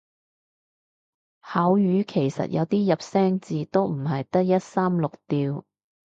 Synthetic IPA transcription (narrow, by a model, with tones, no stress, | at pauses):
haː˨˥wjyː˨˧kʰe˨˩jsɐ̰˨t̚jɐ̰˨˧wt̪iː˥jɐ˨p̚sɛː˥ŋt͡siː˨˧t̪o˥wm̩˨˩ɦɐ˨jt̪ɐ˥k̚jɐ˥t̚saː˥mlʊ˨k̚t̪iː˧w